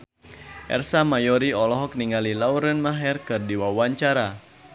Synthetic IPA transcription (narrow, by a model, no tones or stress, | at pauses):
ʔɛ̰rsamajɔɾiɔlɔɦɔk̚niŋalilauɾənmaɦɛrkɨrdiwawaɲt͡ʃaɾa